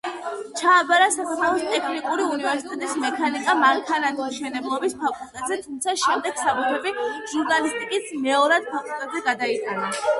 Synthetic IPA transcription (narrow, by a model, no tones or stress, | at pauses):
t͡ʃʰaːbaɾasakat̪ʰalɔst̪ʼɛkʰnikʼuɾiunivɛɾsit̪ʼɛt̪ʼismɛkʰanikʼamaŋkʰanad̪imˠʃɛnɛblˠɔbispʰakʼulˠt̪ʼɛt̪ʼzɛt̪ʰumt̪sʰaʃɛmd̪ɛɡ̥sabut̪ʰɛbiʒuɾnalist̪ʼikʼismɛɔɾad̪̥̚pʰakʼulˠt̪ʼɛbzɛɡad̪ait̪ʼana